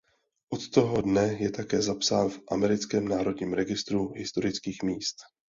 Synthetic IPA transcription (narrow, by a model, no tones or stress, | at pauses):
ʔot̪t̪o̞ɦodnɛjɛt̪akɛːzapsaːnvʔamɛɾɪt͡skɛːmnaːɾo̞dɲiːmɾɛɡɪst̪ɾuɦɪst̪o̞ɾɪt͡skiːxmiːst̪